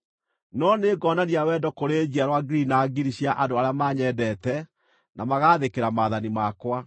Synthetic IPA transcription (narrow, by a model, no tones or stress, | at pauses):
nɔneːɡɔnaniawɛːdɔkoɾed͡ʑiaɾwaɡɾinaɡiɾiɕjaʔadoaɾeamaɲɛdɛːtɛ | nʔamaɣaːðekeɾamaːðanimakwa